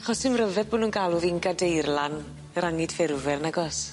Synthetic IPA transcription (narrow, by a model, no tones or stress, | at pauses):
aχɔsɨmrəvɛðboːnuːnɡalˠʊðinɡadejrlˠan | ɾaŋɪdfɪrvɛrnaɡɔs